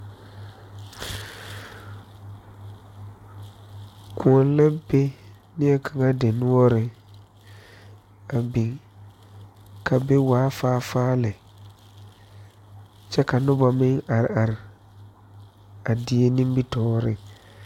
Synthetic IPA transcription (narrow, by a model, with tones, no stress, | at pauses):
ku˨ɔ˨n˦lɛ˦be˦ | nɪ˦ɛ˦kʰa˨ŋa˦de˨nʊ˦ɔ˦ɾɪ˨ | a˨bĩ˨ŋ | kʰa˨be˦waː˨˦faː˦faː˦lɪ˨ | t͡ʃɛ˦ka˨nʊ˦ba˨mɪ̃˦ŋa˨ɾɪ˨a˨ɾɪ˨ | a˨dɪ˨˦e˦nĩ˦mbi˦tɔː˦ɾɪ˦ŋ